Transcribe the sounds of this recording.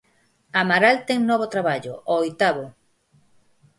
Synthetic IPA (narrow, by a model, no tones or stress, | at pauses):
amaɾalt̪eŋnɔβot̪ɾaβaʎo̰ʔoːjt̪aβo